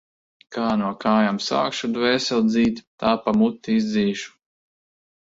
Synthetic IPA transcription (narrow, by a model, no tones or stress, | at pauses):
kaːnuɔkaːjamsa̰ːkʃud̪vɛːsʲɛlˠd̪ziːt̪ʲt̪aːpamut̪ːiizd̪ziːʃu̥